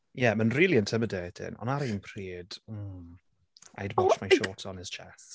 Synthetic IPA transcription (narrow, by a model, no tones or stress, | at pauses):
jɛmənriːlˠiəntʰəmədɛtʰɪ̰nɔ̰̃naɾijnpʰr̥iːd̥̩ | ʔa̰jdwɔt͡ʃmajʃoːtʰɔnɪz̥t͡ʃʰɛθ